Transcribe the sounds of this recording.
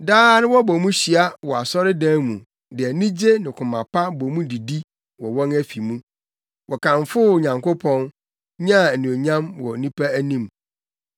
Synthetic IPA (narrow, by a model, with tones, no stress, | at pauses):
daː˦nʊ̃˦wɔ˦bɔ˨mũ˦ɕi˨a˦wɔ˨a˨sɔ˦ɾɪ˦dãː˦mũ˨ | dɪ˨ɛ˨nĩ˦d͡ʑe˦nɪ̃˨kʰʊ̃˨mã̰˨pʰa˦bɔ˨mũ˦di˨di˦ | wɔ˨wɔ̃˦ŋæ˦fi˨mũ˦ | wʔɔ˨kʰã˨ɱfʊ˦˨ɲã˨ŋko˦pʰɔ̃˦n | ɲã˦˨nũ˨o˨ɲã˦mwɔ̰˨nĩ˦pʰa˦æ˦nĩ˦m